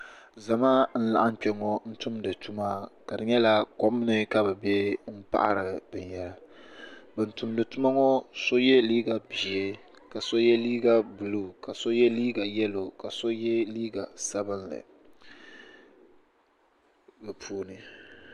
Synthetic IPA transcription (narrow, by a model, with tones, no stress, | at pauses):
za˨maː˦n̩˦la̰˨ʔa˦m̩˦k͡pɛ˨˦ŋɔ˦n̩˦tʊ˦mdɨ˨tu˦ma˦ka˨dɨ˨ɲɛ˦la˦kɔ˦m˦nɨ˦ka˦bɨ˨bɛ˦m̩˦pa̰˦ʔa̰˦ɾɨ˨bɨ˨ɲ˨jɛ˦la˦ | bɨ˨n̩tʊ˨mdɨ˨tu˦ma˦ŋɔ˦so˦jɛ˦liː˦ɡa˨bi˨ɛ˦ | ka˨so˦jɛ˦liː˦ɡa˦bu˨lu˦ka˨so˦jɛ˦liː˦ɡa˨jɛ˦lo˨ka˨so˦jɛ˦liː˦ɡa˨sa˦bɨ˦nlɨ̰˨ | mɨ˨pʰuː˦nɨ˨